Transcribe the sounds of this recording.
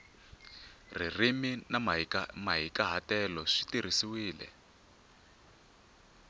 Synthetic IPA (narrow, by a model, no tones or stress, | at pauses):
ririminamaɦikaɦatɛlɔʂi̥tir̤isiwiːlɛ̰